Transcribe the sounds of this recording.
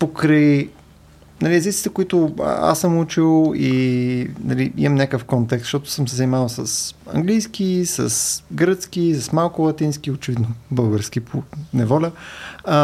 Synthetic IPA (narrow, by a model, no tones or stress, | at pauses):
pokɾəj | nɐliɛzit̪sit̪ɛkʊit̪ʊə̰ʔa̰sːəmut͡ʃilˠi | nɐliḭmɐmnʲakəfkɔnt̪ɛkst̪ʃt̪ɔt̪ʊ̥səmsɛzɐnimavəlˠsəsɐ̰ŋɡlijsk̟isə̰sɡɾət̪sk̟isəsmalˠkʊlˠɐt̪insk̟ʲiot͡ʃɛvid̪nobɤlˠɡəɾsk̟ipʰonɛvɔlʲə